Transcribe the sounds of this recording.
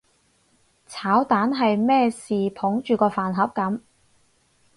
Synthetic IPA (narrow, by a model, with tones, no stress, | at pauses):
t͡sʰaː˨˥wt̪aː˨˥nɦɐ˨jmɛː˥siː˨pʰʊ˨˥ŋt͡ʃyː˨kɔː˧faː˨˩nɦɐ˨˥p̚kɐ˨˥m